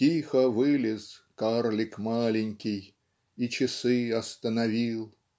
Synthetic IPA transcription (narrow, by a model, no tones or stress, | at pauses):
ixəvɨlʲɪskarlʲɪkmalʲɪnʲkʲɪj | it͡ɕɪsɨɐst̪ənɐvʲilˠ